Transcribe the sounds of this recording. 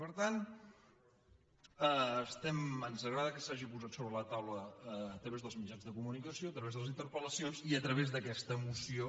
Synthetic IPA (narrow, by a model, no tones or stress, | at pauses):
pəɾt̪an | əst̪ɛmənzəɣɾaðəkəsaʒipuzat̪soβɾələt̪awləːt̪ɾəβezðəlˠzmid͡ʒanzðəkumunikəsioət̪ɾəβezðələzint̪əɾpələsionziət̪ɾəβ̞ezðəkɛst̪əːmusio